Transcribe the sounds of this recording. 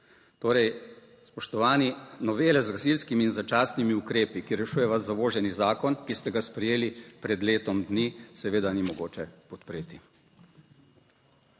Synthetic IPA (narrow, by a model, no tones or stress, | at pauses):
t̪oːɾɛj | spɔʃt̪ɔʋaːninɔʋeːlɛzɡasilskimiːnzat͡ʃaːsnimiukɾeːpikiɾɛʃuːjɛʋazːaʋoːʒɛnizaːkɔnkist̪ɛɡaspɾɛjeːlipɾɛd̪leːt̪ɔmd̪nisɛʋeːd̪animɔɡoːt͡ʃɛpɔt̪pɾeːt̪i